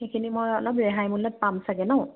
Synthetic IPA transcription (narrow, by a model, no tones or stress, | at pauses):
xekʰinimojɔlɔpɹɛɦajmulɔt̚pamsaɡɛnɔʊ̃